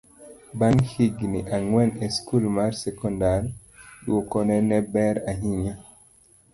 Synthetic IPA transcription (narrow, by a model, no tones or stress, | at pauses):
baŋhiɡniʔaŋwɛneskulmaɾsɛkɔndaɾ | ɗuokɔnɛnɛbɛɾaɦiɲa